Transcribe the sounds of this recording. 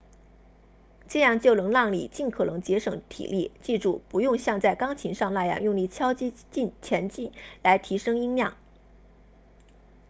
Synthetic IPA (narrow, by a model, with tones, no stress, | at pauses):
ʈ͡ʂɤ˥˧jɑ˥˧ŋt͡ɕjo˥˩ʊlə˧˥ŋlɑ˥˩ŋlḭ˨˩t͡ɕi˥˩nkʰɤ˨˩nɤ˧˥ŋt͡ɕjɛ˧˥ʂɤ˧˩˦ŋt̪ʰḭ˨˩li˥˩t͡ɕi˥˧ʈ͡ʂu˥˩pu˧˥jʊ˥˧ŋɕjɑ˥˧ŋt͡sa˥˩ɪkɑ˥ŋt͡ɕʰi˧˥ŋʂɑ˥˧ŋla˥˧jɑ̰˥˩ŋjʊ˥˧ŋli˥˩t͡ɕʰjɑ˥ʊt͡ɕi˥t͡ɕi˥˩nt͡ɕʰjɛ˧˥nt͡ɕi˥˩nla˧˥ɪt̪ʰi˧˥ʂɤ˥ŋi˥ŋljɑ˥˩ŋ